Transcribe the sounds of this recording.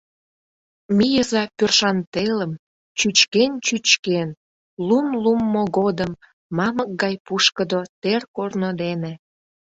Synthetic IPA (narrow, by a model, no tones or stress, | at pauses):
mijəzɑpørʃɑnt̪eləm | t͡ɕyt͡ɕkent͡ɕyt͡ɕken | lumlumːoɣod̪əmː | ɑmək̚ɡɑjpuʃkəd̪ot̪erkornod̪enĕ